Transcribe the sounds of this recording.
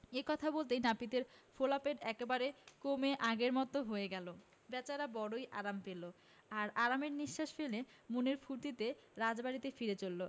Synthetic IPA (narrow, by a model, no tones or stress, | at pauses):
ekɔt̪ʰabolt̪̬enapit̪eɾfolapeɖɛkebaɾekomeʔaɡeɾmɔt̪oɦoeɡɛlo | bɛt͡ɕaɾabɔɽojʔa̰ɾampelo | aɾaɾameɾniʃːaʃfelemuneɾfuɾt̪it̪eɾad͡ʑbaɽit̪efiɾet͡ɕolːo